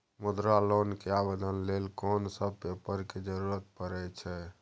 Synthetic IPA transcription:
mud̪ɾalonkeabed̪ʱənlelkɔnsəb̚ʱpepəɾked͡ʒəɾuɾət̪̚pəɾɛt͡ʃʰɛ

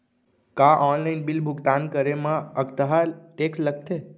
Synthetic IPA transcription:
kaʔɔnlainbɪlbʱʊɡt̪ankəɾemãəɡt̪əɦaleklək̚t̪ʰe

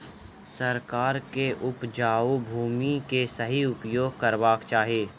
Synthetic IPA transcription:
sɐɾkaːɾkeʔʊpd͡ʒaːobʱuːmikesɐɦiʊpjoːɡ̚kɐɾʋaːkt͡ʃaːɦieː

